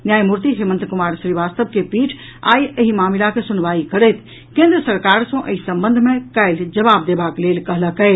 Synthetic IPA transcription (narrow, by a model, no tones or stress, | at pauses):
njajmuɾt̪iɦemə̃nt̪kumaɾʃɾiʋast̪əb̚kepiʈʰ | a̰jəɦimamilakesunʋaikəɽəjt̪ʰ | kẽnd̪ɾəsəɾkaɾsə̃ʔḛisə̃mbənd̪ʱmẽkaɪld͡ʒəβab̚d̪ebaklelkəɦləkəɪ